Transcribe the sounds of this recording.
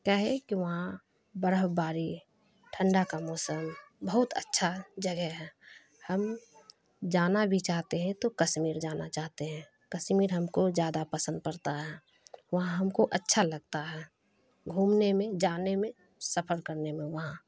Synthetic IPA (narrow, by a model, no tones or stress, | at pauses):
kjaːɦɛkiʋəɦã | bəɾəɦbaːɾi | ʈʰə̃ɳɖakamɔːsəmbəɦʊt̪ə̰tːʃʰad͡ʒəɡɛɦɛ | həm | d͡ʒaːnabʱit͡ʃaːɦt̪eɦɛ̃t̪okəsmiːɾd͡ʒaːnat͡ʃaːɦt̪eɦɛ̃ | kəsmiːɾɦəmkod͡ʒjaːd̪apəsə̃nd̪̚pəɾt̪aɦɛː | ʋəɦãɦəmkoʔətːʃʰaləɡ̚t̪aɦɛː | ɡʱuːmnemẽd͡ʒaːnemẽ | səpʰəɾkəɾnemẽʋəɦã